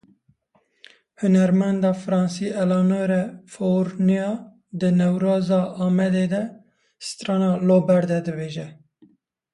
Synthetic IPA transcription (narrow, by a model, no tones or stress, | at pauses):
hʊnɛɾmɛnd̪ɑːfɨɾɑːnsiːʔɛlɑːnoɾɛfoɾnijɑː | d̪ɨnɛwɾɑːzɑʔɑːmɛd̪eːd̪ɛ | st̪ɾɑːnɑːloːbɛɾd̪ɛd̪ɨbeːʒɛ